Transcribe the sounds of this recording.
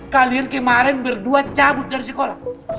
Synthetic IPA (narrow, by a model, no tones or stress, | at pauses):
kaliankɛmaɾɛnbərduat͡ʃabʊt̪̚daɾisɛkola̰